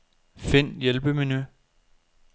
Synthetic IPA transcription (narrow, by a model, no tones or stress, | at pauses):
fe̝n̰jelb̥əminy